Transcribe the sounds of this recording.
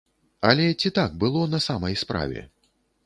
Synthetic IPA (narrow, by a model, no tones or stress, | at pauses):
ɐlʲɛt͡sʲit̪aɡ̚bɨlˠɔnɐsamɐjspɾa̰vʲɛ̰